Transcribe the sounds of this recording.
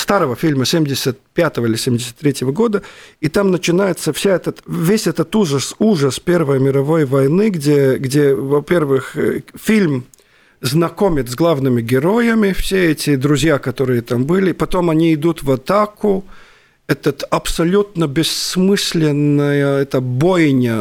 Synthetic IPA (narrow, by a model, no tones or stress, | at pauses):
st̪aɾəvəfʲilʲməsʲemʲdʲɪsʲət̪̚pʲat̪əvəilʲɪsʲemʲdʲɪsʲə̥t̪ːɾʲetʲjɪvəɡo̞d̪əit̪amnət͡ɕɪnajɪt̪səfsʲaɛt̪ət̪vʲesʲɛt̪ət̪uʐəsuʐəspʲe̞rvəjmʲɪɾɐvo̞jvɐjnɨɡdʲeɡdʲevɐpʲe̞rvɨxfʲilʲm | znɐko̞mʲɪt̪sɡlˠavnɨmʲɪɡʲɪɾo̞jəmʲɪfsʲeɛtʲɪd̪ɾʊzʲjakɐt̪o̞ɾɨjət̪ambɨlʲɪpɐt̪o̞mɐnʲiɪd̪ut̪vɐt̪akʊ | ɛt̪ət̪ɐpsɐlʲut̪nəbʲɪsmɨsʲlʲɪnːɨjəɛt̪əbojnʲə